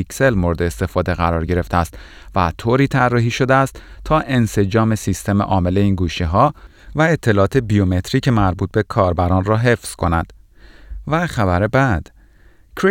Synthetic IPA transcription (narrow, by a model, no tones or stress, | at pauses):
ikse̞lmoɾed̪eːst̪e̞fɒːd̪e̞ɣæɾɒːɾɟe̞ɾe̞ft̪eæst̪ | væt̪ʰoːɾiːt̪ʰærːɒːɦiːʃo̞d̪eæst̪t̪ʰːɒːʔe̞nse̞d͡ʒɒːme̞sist̪e̞mḛʔɒːme̞le̞iːnɡuːʃiɦɒː | væet̪ʰːe̞lɒːɒːt̪ʰebiome̞t̪ʰɾiːcʰemæɾbuːt̪̚be̞kʰɒːɾbæɾɒːnrɒːɦe̞fz̥kʰo̞næd̪̥ | væxæbæɾebæd̪̥ | kʰɾi